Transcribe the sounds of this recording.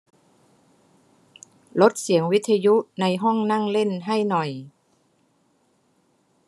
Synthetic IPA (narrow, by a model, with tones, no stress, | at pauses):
lo˦˥t̪̚si˩˦əŋwi˦˥t̪ʰːa˧ju˦˥ʔna˧jɦɔ˥˩ŋna˥˩ŋle˥˩nɦa˥˩jnɔ˨˩j